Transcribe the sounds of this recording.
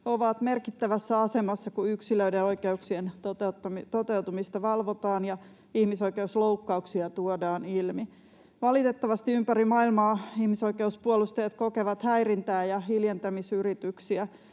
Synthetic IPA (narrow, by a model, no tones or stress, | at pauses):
oʋɑt̪me̞rkit̪ːæʋæsːæɑse̞mɑsːɑkuyksiløydeo̞ikeuksient̪ot̪t̪ːɑmt̪ot̪e̞ut̪umist̪ɑʋɑlʋot̪ɑːnjɑ | ihmiso̞ike̞uslowkːɑuksiɑt̪uodɑːnilmi | ʋɑlit̪et̪ːɑʋɑst̪iympærimɑilmɑːihmiso̞ikeuspuolust̪ejɑt̪kokeʋɑt̪hæirint̪æːjɑɦiljent̪æmisyɾit̪yksiæ